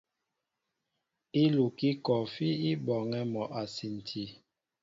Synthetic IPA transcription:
i˦lu˨ki˦kɔ˨fi˦i˦bɔ˨ŋɛ˦mɔ˨ʔa˨si˨n˨tʰi˨˦

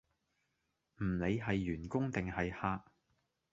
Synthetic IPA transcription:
m̩˨˩le˨˧jɦɐ˨jːyː˨˩nkʊ˥ŋt̪ɪ˨ŋɦɐ˨jhaː˧k̚

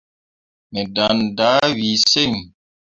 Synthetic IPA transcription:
mɛ˨da˨nda˨˦wi˨se˦˨ŋ

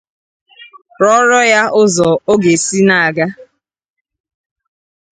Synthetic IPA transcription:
ɾɔ˦ɾɔ˦ja˦ʊ˦zɔ˨o˦ɡe˨si˦na˦˨a˨ɡa˦

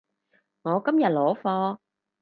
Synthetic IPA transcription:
ŋɔː˨˧˦kə˧˥mjɐ˨˩t̚lɔː˨˦fɔː˧

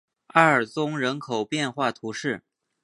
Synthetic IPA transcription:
a˥˩ə˞˨˩t͡sʊ˥ŋɻə˧˥nkʰo˨˩ʊpjɛ˥˧nxwa˥˩t̪ʰu˧˥ʂɻ̩˥˩

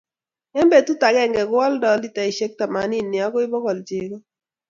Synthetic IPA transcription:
ɛ˦mbe˨tu˦ta˨ɡɛ˦˨ŋɡɛ˨ɡʊ˦ɔ˦ldɔ˨li˦ta˨i˨ʃe˦k̚ta˨ma˨ni˦˨nːi˨ɔ˦kɔ˦ɪ˦bɔ˦kɔ˨ld͡ʒe˨ɡɔ˦

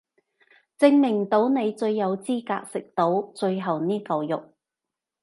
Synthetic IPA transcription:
t͡sɪ˧˥ŋmɪ˨˩ŋt̪o˨˥wne˨˧jt͡sɵ˧ɥːɐ˨˧wt͡siː˥ka̰ː˧k̚sɪ˨k̚t̪o˨˥wt͡sɵ˧ɥɦɐ˨˩wniː˥kɐ˨˧wjʊ˨k̚

